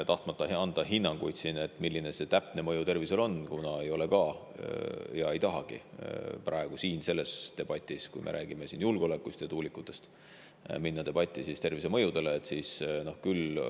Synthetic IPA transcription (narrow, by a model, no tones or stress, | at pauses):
t̪ɑht̪mɑt̪ːˑɑɑnd̪̥ɑɦinːɑŋɡ̥ujd̪̥sine̞t̪ːˑmilːine̞se̞t̪æpne̞mɤjut̪e̞rvise̞lo̞nkunɑe̞jo̞le̞kɑː | jɑe̞jt̪ɑɦɑɡ̥ḭprʔɑeɡ̥usiːnse̞lːe̞st̪e̞b̥ɑt̪ʲːˑiskujmʔḛɾʔæ̰ːɡ̥ime̞sinjulɡ̥eole̞kːˑust̪jɑt̪uːlikːˑut̪ːˑe̞st̪ | minːɑt̪e̞b̥ɑt̪ʲːˑisist̪e̞rvise̞mɤ̞jud̪e̞leːt̪ːˑsiːsno̞hkyl